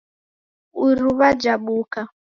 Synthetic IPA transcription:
uɾuβad͡ʒaɓuka

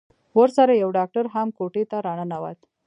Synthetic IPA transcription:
wəɾsaɾajawɖɑk̚ʈaɾɦamkoʈet̪aɾɑɳanawa̰t̪

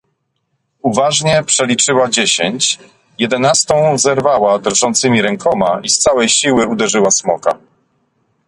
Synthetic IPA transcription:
uvaʐɲɛpʂɛlʲit͡ʂɘwad͡ʑeɕeɲt͡ɕ | jɛd̪ɛnast̪ɔ̃w̃zɛɾvawad̪ɾʐɔnt̪sɘmʲiɾɛŋkʰɔmaist̪sawɛjɕiwɘud̪ɛʐɘwasmɔka̰

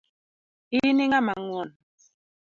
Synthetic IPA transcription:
iniŋamaŋwɔn

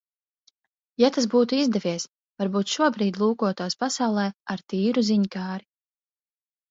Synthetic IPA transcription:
jat̪asbuːt̪uizd̪ɛvʲiɛs | vaɾbuːt̪ʃuɔbɾiːd̪ʲlˠuːkuɔt̪uːspasawlˠɛːaɾt̪iːɾuziɲkaːɾi

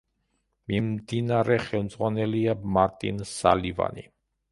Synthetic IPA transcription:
mimd̪inaɾɛχɛlˠmd̪zʁwanɛliamaɾt̪ʼḭnsa̰liva̰ni

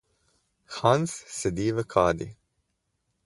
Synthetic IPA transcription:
xanssɛd̪iːʋəkʰaːd̪ḭ

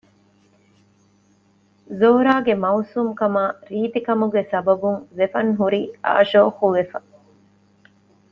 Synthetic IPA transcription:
zoːɾaːɡemɐusuːmkɐmaːɾiːt̪ikɐmuɡesɐbɐbuŋʋefɐŋɦuɾiːa̰ːʃoːxuʋefɐ

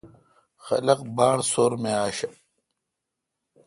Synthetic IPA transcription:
xɐ̰lɐqbaːɳsoːɾmeaːɕɐ

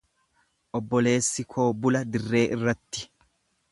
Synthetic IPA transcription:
ʔɔbːɔle̞ːsːɪkʰo̞ːbʊlɐd̪ɪrːe̞ːʔɪrːɐt̪ːɪ̥

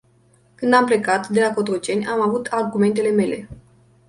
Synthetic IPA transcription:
kɨnd̪ample̞kat̪d̪e̞lako̞t̪ɾot͡ʃe̞nʲʔamavut̪ʰarɡume̞nt̪e̞le̞me̞le̞̰

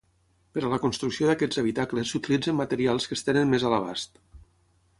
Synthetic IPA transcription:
pəɾələkunst̪ɾuksioðakɛd͡zəβ̞it̪akləsːut̪ilid͡zəmːət̪əɾialˠskəst̪enənmezələβa̰st̪

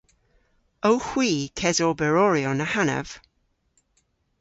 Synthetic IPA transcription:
əwhw̥iːkʰɛzɔbɛɹɔɹiɔnahanə̰v̥

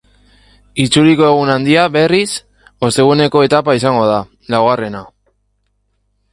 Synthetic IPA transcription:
it͡suliko̞eɣ̞unand̪iaβe̞ris | o̞st̪e̞ɣ̞une̞ko̞e̞t̪apaisaŋɡo̞ð̞a | lawɣare̞na

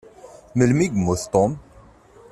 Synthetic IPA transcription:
məlmiɡmuθt̪om

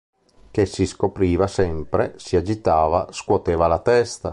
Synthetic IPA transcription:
kesiskopɾiːvasɛmpɾesiad͡ʒit̪aːvaskwɔt̪ɛːvalat̪ɛst̪a

